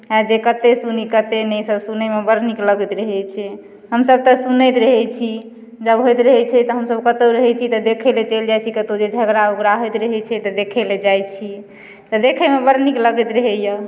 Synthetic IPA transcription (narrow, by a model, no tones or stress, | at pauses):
ad͡ʒekət̪esunikət̪enɛsəbsunemebəɾnikləɡət̪ɾəɦɛt͡ʃʰɛ | ɦəmsəb̚t̪əsunəjt̪ɾəɦɛt͡ʃʰi | d͡ʒəbɦojt̪ɾəɦɛt͡ʃʰɛt̪ɔɦəmsəbkət̪oɾəɦɛt͡ʃʰit̪ɔd̪ekʰɛlet͡ʃeld͡ʒajt͡ʃʰikət̪od͡ʒed͡ʒʱəɡɾauɡɾaɦojt̪ɾəɦɛt͡ʃʰɛt̪ɔd̪ekʰɛled͡ʒajt͡ʃʰi | t̪ɔd̪ekʰəmebəɾnikləɡət̪ɾəɦɛjə